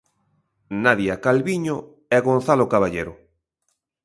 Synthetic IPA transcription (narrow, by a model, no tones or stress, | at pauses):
naðjakalβiɲo | ɛɣon̟θalokaβaʎeɾʊ